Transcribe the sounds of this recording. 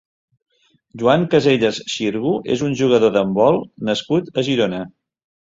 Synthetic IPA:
ʒuaŋkəzeʎəsʃiɾɣuʔḛzunʲʒuɣ̞əðoðəmbɔlˠnəskut̪əʒiɾonə

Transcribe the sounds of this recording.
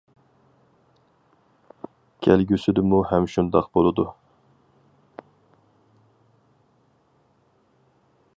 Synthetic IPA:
kʲʰælɡʲysɪd̪ɪmuhɛmʃund̪ɑqbolˠɨd̪u

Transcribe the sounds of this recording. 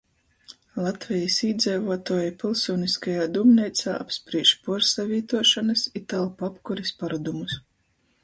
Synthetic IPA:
lˠat̪vʲɛjisiːd̪zʲɛjvuɔt̪uːjapʲilˠsuniskajaːd̪umnʲɛjt̪saːʔapspɾiɛʃpuɔɾsavʲiːt̪uɔʃanɨsit̪alˠpapkuɾispaɾud̪umus

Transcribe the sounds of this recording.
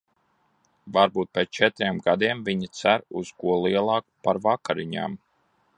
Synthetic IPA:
vaɾbuːt̪̚pʲɛst͡ʃɛt̪ɾiɛmɡad̪iɛmvʲiɲit̪sæɾuz̥kuɔlˠiɛlˠɑːkpaɾvakaɾiɲa̰ːm

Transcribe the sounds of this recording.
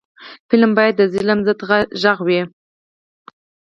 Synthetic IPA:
pɪləmbɑjad̪̚ːəzɪləmzəd̪ʁaʒaɣwi

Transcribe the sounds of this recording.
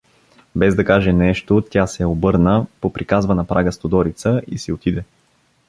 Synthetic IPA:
bɛzd̪ɐkaʒɛnɛʃt̪ot̪ʲasɛobɤɾnəpopɾikazvɐnɐpɾʔaɡəst̪od̪ɔɾit̪səḭsiot̪id̪ɛ

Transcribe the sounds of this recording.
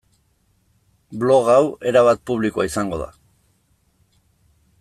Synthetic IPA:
blo̞ɣawe̞ɾaβat̪̚puβlikoaisaŋɡo̞ða̰

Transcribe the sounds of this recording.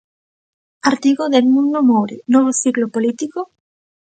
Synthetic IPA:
aɾt̪iɣoðelmũnd̪omowɾenoβ̞osiklopolit̪iko

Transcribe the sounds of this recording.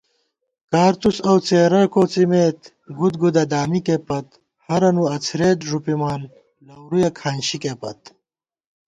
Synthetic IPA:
kaːɾt̪usɐwt͡seːɾɐkoːt͡simeːt̪ | ɡud̪ɡud̪ɐd̪aːmikepɐt̪ | hɐɾɐnuɐt͡sʰɾeːd̪ʐupimaːn | lɐwɾujɐkʰaːnɕikeːpɐ̰t̪̚

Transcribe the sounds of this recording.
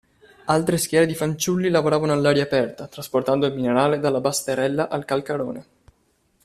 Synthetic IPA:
alt̪ɾeskʲjɛːɾed̪ifant͡ʃulːilavoɾaːvanoalːaːɾjaːpɛrt̪at̪ɾasport̪and̪oilmineɾaːled̪alːabast̪eɾɛlːaʔalkalkaɾo̰ːne

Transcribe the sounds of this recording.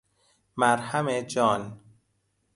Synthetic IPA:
mæɾhæmed͡ʒɒːn

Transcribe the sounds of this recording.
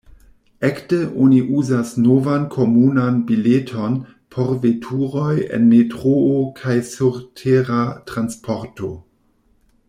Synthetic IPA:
ɛktəʔoniʔuzasnovankʰomunanbiletʰon | pʰoɾvetʰuɾojḛnmetʁookʰajsuɾtʰeɾatɾanspʰoɾto

